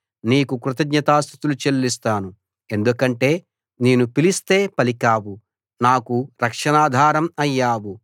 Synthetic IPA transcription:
niːkukɾut̪ɐɡɲɐt̪aːst̪ʰi̥t̪ulut͡ʃelːist̪aːnu | e̞nd̪ukɐɳʈe̞ː | neːnupilist̪e̞ːpɐlikaːwu | naːkuɾɐkʂɐnaːd̪ʱaːɾɐmɐjːaːwu

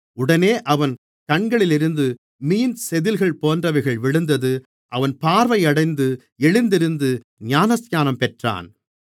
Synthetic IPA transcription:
ʊɽɐneːʔɐʋɐn | kɐɳɡɐɭɪlɪɾɯnd̪ɯ | miːnsɛðɪlɣɐɭpoːndrɐʋɐɪɣɐɭʋɪɻɯnd̪ɐðɯ | ʔɐʋɐnpaːɾʋɐɪɐɽɐɪnd̪ɯ | ɛɻɪnd̪ɪɾɯnd̪ɯ | ɲaːnɐsjaːnɐmpɛʈra̰ːn

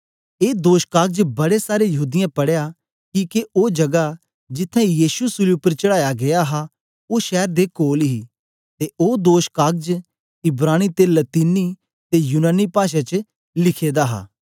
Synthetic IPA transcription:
eːd̪oːʃkaːɡ̚d͡ʒbɐɽesaːɾejɐɦuːd̪ɪjãpɐɽeja | kiːkeʔoːd͡ʒɐɡa | d͡ʒɪt̪ʰːɛ̃jiːsusʊliʊpːəɾt͡ʃɐɽaːjaɡɐjaɦa | oːʃɛːɾd̪ekoːlɦi | t̪eʔoːd̪oːʃkaːɡ̚d͡ʒ | ɪbɾaːɽ̃it̪eːlɐt̪iːnːi | t̪ejunaːnipaːʃ̬et͡ʃə | lɪkʰeːd̪aɦa̰ː

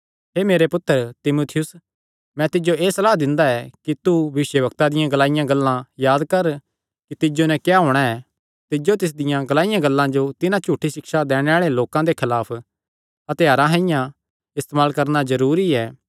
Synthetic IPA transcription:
ɦeːmeːɾepʊt̪ːəɾt̪ɪmuːt̪ʰɪjʊs | mɛ̃t̪ɪd͡ʒoeːsɐlaːɦd̪ɪ̃nd̪aɛkit̪ubɐʋɪʃjəbɐk̚t̪ad̪ɪjãɡɐlaːɪjãɡɐlːãjaːd̪kɐɾ | kit̪ɪd͡ʒonɛ̃kjaɦoːɽ̃aɛ | t̪ɪd͡ʒot̪̬ɪs̬d̪ɪjãɡɐlaːɪjãɡɐlːãd͡ʒot̪ɪnãt͡ʃuːʈʰːiʃɪkʃad̪ɛːɽ̃eaːɭeloːkãd̪ekʰɐlaːpʰ | ɐt̪jaːɾãɦɐ̃ɪjã | ɪst̪emaːlkɐɾnazɐɾuːɾiɛː

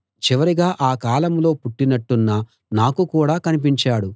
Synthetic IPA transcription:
t͡ʃiʋɐɾiɡaːʔaːkaːlɐmlo̞ːpuʈːinɐʈːunːɐ | naːkukuːɽaːkɐnip̬iɲt͡ʃaːɽu

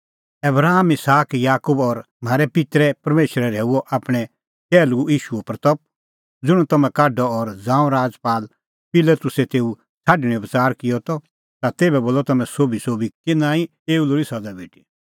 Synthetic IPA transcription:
ɐbɾaːmɪsaːkjaːkubɔɾ | m̤aːɾɛpɪt̪ɾɛpɐɾmeːʃɾɛɾɛːuɔʔapɽ̃ɛ | t͡ʃɛːluiːʃuɔpɾt̪ɔp̚ | d͡zʊɽ̃ũt̪ɐmɛ̃kaːɖɔɔɾd͡zãːũɾaːd͡zpaːl | pɪlət̪ʊsɛt̪eːu | t͡sʰaːɖɽ̃ĩbət͡saːɾkɪjɔt̪ɔ | t̪at̪eːbɛboːlɔt̪ɐmɛ̃soːbisoːbikɪnãːĩ | eːuloːɾisɐd͡zabʱiːʈi

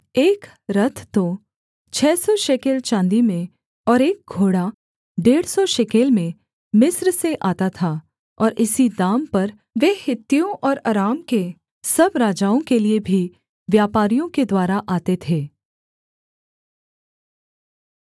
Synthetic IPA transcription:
eːk | ɾɐt̪ʰt̪o | t͡ʃʰɛːsɔʃekelt͡ʃãːnd̪imẽ | ɔːɾeːk̚ɡʱoːɽa | ɖeːɽsɔʃɛkeːlmẽ | mɪsɾseʔaːt̪at̪ʰa | ɔːɾʔɪsid̪aːmpɐɾ | ʋeːhɪt̪ːijõʔɔːɾa̰ːɾaːmke | sɐbɾaːd͡ʒaːõkeliebʱi | ʋjaːpaːɾijõked̪waːɾaʔaːt̪et̪ʰeː

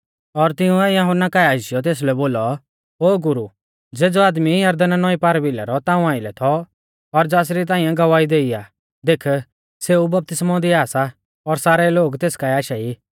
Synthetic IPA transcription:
ɔɾt̪ɪũɛjɐɦʊnakaɛaːɪʃɪjɔt̪eːs̬lɛboːlɔ | oːɡʊɾu | d͡zeːd͡zɔaːd̪mijɐɾd̪ənnɔipaːɾbɪla̰ɾɔt̪ãːũãːɪlɛt̪ʰɔ | ɔɾd͡zaːs̬ɾit̪̬ãːĩjãɡɐʋaːid̪eːiaː | d̪eːkʰ | seːubɐp̚t̪ɪsmɔ̃d̪iaːsa | ɔɾsaːɾɛloːɡt̪eːskaɛaːʃaiː

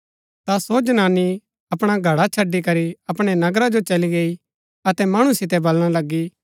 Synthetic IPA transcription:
t̪asoːd͡ʒənaːnːi | ɐpɽ̃aɡʱɐɽat͡ʃʰɐɖːikɐɾiɐpɽ̃ɛnɐɡɾad͡ʒot͡ʃɐliɡeːi | ɐt̪ɛmɐɽ̃ũsɪt̪̬ɛbɐlɽ̃alɐɡːi

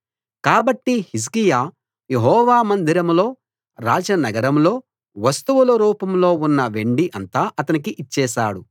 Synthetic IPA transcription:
kaːbɐʈːihis̬kijaː | jeɦɔːʋaːmɐnd̪iɾɐmlo̞ː | ɾaːd͡ʒɐnɐɡɐɾɐmlo̞ː | ʋɐst̪uʋulɐɾuːpɐmlo̞ːunːɐʋe̞ɳɖiʔɐnt̪aːʔɐt̪ɐnikiʔit͡ʃːɛːʃa̰ːɽu

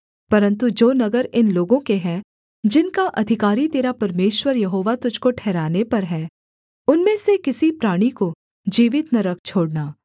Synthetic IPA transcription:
pɐɾə̃nt̪ud͡ʒoːnɐɡəɾɪnloːɡõkeɦɛ̃ | d͡ʒɪnkaʔɐd̪ʱɪkaːɾit̪eːɾapɐɾmeːʃwəɾjɐɦoːʋat̪ʊd͡ʒʱkoʈʰɛːɾaːnepɐɾɦɛː | ʊnmẽsekɪsipɾaːɽ̃iko | d͡ʒiːʋɪt̪nɐɾək̚t͡ʃʰoːɽnaː

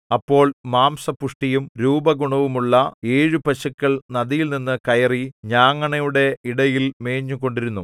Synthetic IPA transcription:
ɐpːo̞ːɭmaːmsɐpuʂʈijumɾuːbɐɡuɳɐʋumuɭːɐeːɻupɐɕɐkʲːɐɭnɐðijilninːɨkɐjɐriɲaːŋːɐɳɐjuɽe̞iɽɐjilme̞ːɲːuko̞ɳɖiɾunːu

